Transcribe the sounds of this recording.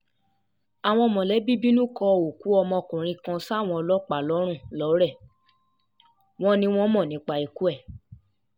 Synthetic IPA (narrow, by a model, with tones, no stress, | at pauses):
a˨w̃ɔ̃˧ɔ˧mɔ̃˨lɛ˨˦bi˦bi˦nũ˦kɔ˧o˨ku˨˦ɔ˧mɔ̃˧kũ˨ɾ̃ĩ˧kã˧sa˦˨w̃ɔ̃˧ɔ˧lɔ˦k͡pa˨lɔ˨˦ɾ̃ũ˦˨lɔ˨˦ɾɛ˦˨ | w̃ɔ̃˦nĩ˧w̃ɔ̃˦mɔ̃˦˨nĩ˨˦k͡pa˧i˨ku˦ɛ˦˨